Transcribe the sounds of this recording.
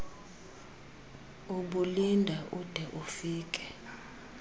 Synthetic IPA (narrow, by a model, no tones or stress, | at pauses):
uɓulindʱaʔud̥ʱɛʔufiːkʼɛ̥